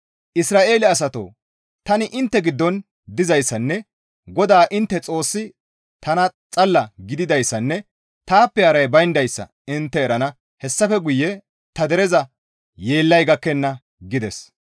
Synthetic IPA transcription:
ʔɪsɾaːʔe̞ːlɪɐs̬ɐt̪o̰ː | t̪ɐnɪʔɪnt̪ːɛɡɪd̪ːɔn | d̪ɪzɐjsːɐnːɛ | ɡɔd̪aːʔɪnt̪ːɛt͡sʼo̞ːsːɪ | t̪ɐnɐt͡sʼɐlːɐɡɪd̪ɪd̪ɐjsːɐnːɛ | t̪aːpːɛɐɾɐjbɐjnd̪ɐjsːɐ̰ | ɪnt̪ːɛːɾɐnɐ | hɛsːɐfɛɡʊjːɛ | t̪ɐd̪ɛɾɛzɐ | je̞ːlːɐjɡɐkːɛnːɐ | ɡɪd̪ɛs

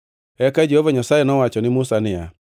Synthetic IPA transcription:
ɛkad͡ʒehovaɲasajɛnɔwat͡ʃɔnɪmʊsanɪja̰

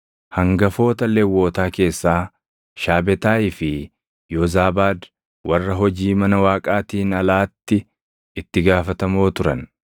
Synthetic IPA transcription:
hɐŋɡɐfo̞ːt̪ɐlewːo̞ːt̪aːke̞ːsːaː | ʃaːbɛt̪aːɪfɪ | joːzaːbaːd̪ | wɐrːɐɦɔd͡ʒiːmɐnɐwaːkʼaːt̪iːnɐlaːt̪ːɪ | ɪt̪ːɪɡaːfɐt̪ɐmo̞ːt̪ʊɾɐ̰n

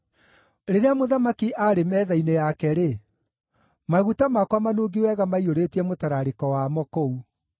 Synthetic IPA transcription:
ɾeɾeamoðamakiʔaɾemɛːðainejakɛɾe | maɣutamakwamanoːɡiwɛːɣamaioɾetiɛmotaɾaɾekɔwamɔkou

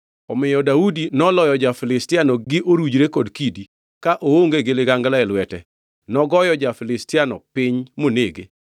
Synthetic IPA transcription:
ɔmɪjɔdaudinɔlɔjɔd͡ʒafɪlɪstɪanɔɡɪʔoɾud͡ʒɾekodkidi | kaʔooŋɡeɡeleɡaŋɡlaɛlwɛtɛ | nɔɡɔjɔd͡ʒafɪlɪstɪanɔ̰pɪɲmoneɡḛ

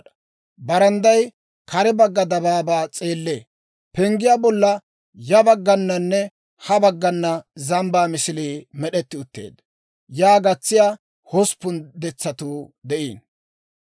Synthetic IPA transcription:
bɐɾɐnd̪ɐj | kʰɐɾɛbɐɡːɐd̪ɐbaːbaːt͡sʼeːlːḛː | pɛŋɡɪjaːbɔlːɐ | jɐbɐɡːɐnːɐnːɛ | hɐbɐɡːɐnːɐzɐmbaːmɪsɪliːmɛɗɛt̪ːɪʊt̪ːḛːd̪ | jaːɡɐt͡sːɪjaː | hɔspːʊnd̪ɛt͡sːɐt̪uːd̪ɛʔḭːn

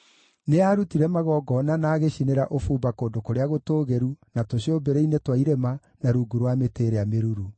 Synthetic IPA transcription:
neaːɾutiɾɛmaɣɔːɡɔnanaːɣeɕineɾaʔofuːmbakoːndokoɾeaɣotoːɣɛɾunatoɕiobeɾɛinetwaiɾɛma | naɾuːɡuɾwameteːɾeameɾuɾu

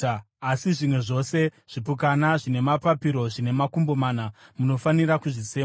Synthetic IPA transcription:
asiʐimwe̞ʐo̞se̞ | ʐ̥ipuk̬anaʐine̞mapapiɾo̞ʐine̞makumbo̞manamuno̞fanirakuʐit͡se̞ːma

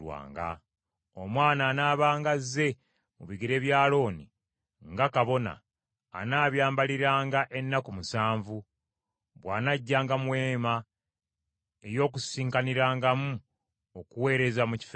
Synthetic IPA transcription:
wa̰ːŋɡa̰ | omwaːnaːnaːβaːŋɡazːe̞ | mṵβiɡiɾe̞ːβjaːlo̞ːni | ŋɡakaβo̞na̰ː | naːβjaːmbaliɾaːŋɡaʔe̞nːakumusaːɱvu | βwaːnaɟːaːŋɡamwe̞ːma | ejo̞ːk̬usiːŋkaniɾaːŋɡamu | okuwe̞ːɾe̞zamuci̥f

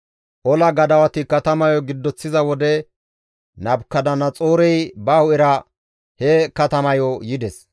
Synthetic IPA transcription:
ʔɔlɐɡɐd̪ɐwɐt̪ɪkɐt̪ɐmɐjɔɡɪd̪ːɔt͡sːɪzɐwɔd̪ɛ | nɐbkːɐd̪ɐnɐt͡sʼoːɾɛjbɐhʊɪɾɐ | hɛkɐt̪ɐmɐjɔjɪd̪ɛs

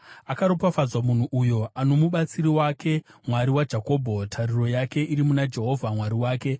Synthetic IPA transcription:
akaɾo̞pafazwamun̤uʔujo̞ano̞muɓat͡siɾiwake̞mwaɾiwad͡ʒako̞ːbʱo̞tʰariro̞jake̞ʔiɾimunad͡ʒe̞ɦo̞vʱamwaɾiwaːke̞

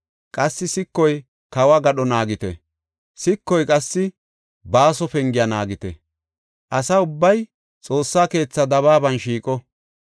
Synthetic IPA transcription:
kʼɐsːɪsɪkːɔj | kɐwɐɡɐɗɔnaːɡɪt̪ɛ̰ | sɪkːɔjkʼɐsːɪ | baːsɔfɛŋɡɪjɐnaːɡɪt̪ɛ̰ | ʔɐsɐʊbːɐj | t͡sʼo̞ːsːaːke̞ːt͡sːɐd̪ɐβaːbɐnʃiːkʼɔ

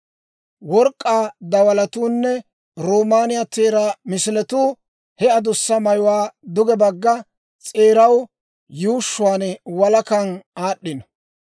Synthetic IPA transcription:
wɔɾkʼːaːd̪ɐwɐlɐt̪uːnːɛ | ɾoːmaːnɪjat̪eːɾamɪsɪlɛt̪uː | hɛɐd̪ʊsːɐmɐjʊwaːd̪ʊɡɛbɐɡːɐ | t͡sʼeːɾɐw | juːʃːʊwaːnɛwɐlɐkɐnaːɗːɪnɔ

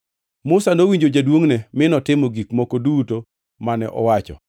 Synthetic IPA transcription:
mʊsanowiɲd͡ʒod͡ʒadwoŋnɛmɪnɔtɪmoɡikmokoduto | manɛʔɔ̰wat͡ʃɔ̰

